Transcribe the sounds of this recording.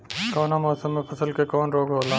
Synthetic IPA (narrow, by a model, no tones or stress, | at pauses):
koːnamoːsəmːẽpʰɐsəlkekoːnɾoːɡɦoːlãː